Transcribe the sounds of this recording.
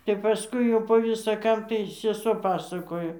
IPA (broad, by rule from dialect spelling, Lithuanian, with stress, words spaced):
tʲɛp pɐˈskʊɪ jɛʊ poː ʋʲɪsɐ ˈkɐm tɐɪ sʲɛˈsuɔ ˈpɑːsɐkoːjoː